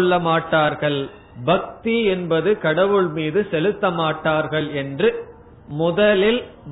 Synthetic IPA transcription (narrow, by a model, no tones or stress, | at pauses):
ɭːɐmaːʈːaːɾɣɐɭ | bɐk̚t̪iɛnbɐðɯkɐɽɐʋɯɭmiːðɯsɛlɯt̪ːɐmaːʈːaːɾɣɐɭɛndrɯ | mʊðɐlɪl